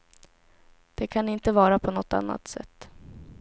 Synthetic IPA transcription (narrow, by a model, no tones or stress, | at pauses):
d̪̥ɛkʰanɪnt̪əvɑːɾapʰɔnɔt̪ːa̰nːa̰t̪sɛ̰t̪ː